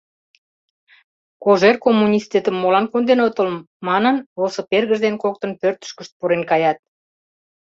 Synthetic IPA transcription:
koʒerkomːunʲist̪ʲet̪əmːolɑnkund̪enot̪ə̆l | mɑnənβolsoperɣəʒd̪enkok̚t̪ə̆npørt̪ə̥ʃkəʃt̪̚puɾenkɑjɑt̪̚

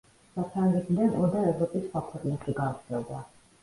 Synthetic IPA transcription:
sapʰɾaŋɡɛd̪d̪ɛʔɔd̪aɛvɾɔpʼisχwakʰwɛqʼnɛʃiɡaːt̪sʰɛlˠd̪a

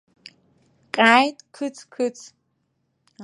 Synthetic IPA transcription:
qʼaːjtʼkʰɨt͡sʰkʰɨt͡sʼʰ

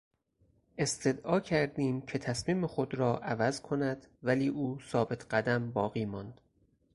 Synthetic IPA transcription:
e̞st̪ʰe̞d̪ʔɒːcʰæɾd̪iːmcʰe̞t̪ʰæsmiːmexod̪ɾɒːʔævæzkʰonæd̪̥væliːʔuːsɒːbe̞t̪ʰɢæd̪æmbɒːɣiːmɒːnd̪̥

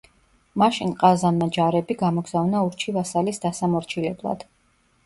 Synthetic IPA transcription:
maʃinqʼazanmad͡ʒaɾɛbiɡamɔɡzavnauɾt͡ʃʰivasalisd̪asamɔɾt͡ʃʰilɛblˠa̰d̪̥

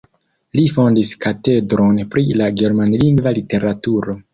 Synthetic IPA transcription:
lifo̞ndiskate̞dɾo̞npɾilaɡe̞ɾmanliŋɡvalite̞ɾatuɾo̞

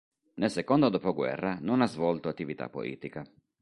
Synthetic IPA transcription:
nelsekɔnd̪od̪ɔpɔɡwɛ̰rːanonazvɔlt̪oat̪ːivit̪a̰pːo̰lʔḭːt̪ika

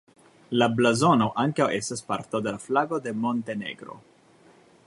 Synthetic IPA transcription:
lablazo̞no̞ʔaŋkawʔe̞staspaɾt̪od̪e̞laflaɡo̞d̪e̞mo̞nt̪e̞ne̞̰ɡɾo̞̰

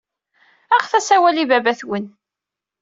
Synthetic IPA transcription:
æʁθæsæwælivæbæθwən

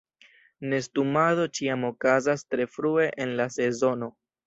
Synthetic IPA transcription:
ne̞stumaðo̞t͡ʃiamo̞kazastɾe̞fɾue̞ʔenlase̞zo̞no̞

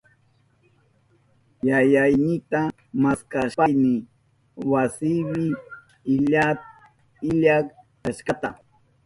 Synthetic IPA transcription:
jajajnɪt̪a | maskaʃpajmɪ | wasɪwɪ | ɪʎat̪̚ | ɪʎakkaʃkat̪a̰

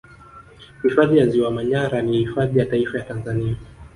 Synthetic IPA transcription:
hifaðijaziwamaɲaɾanihifaðijataifajatanzania

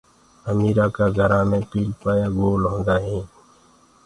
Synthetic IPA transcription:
əmiːɾaːkaːɡʱəɾãːmẽːpiːlpaːjaːɡoːlɦõːnd̪aːɦĩː

